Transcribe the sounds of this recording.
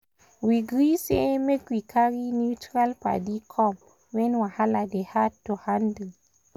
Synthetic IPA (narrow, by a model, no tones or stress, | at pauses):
wiɡɾisemekwikʰaɾinutɾalpa̰dikʰɔm | wenwahaladehatːohandə